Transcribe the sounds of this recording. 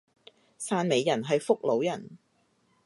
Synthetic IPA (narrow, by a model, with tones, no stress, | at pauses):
saː˧nme˨˧jːɐ˨˩nɦɐ˨jfʊ˥k̚lo˨˥wjɐ˨˩n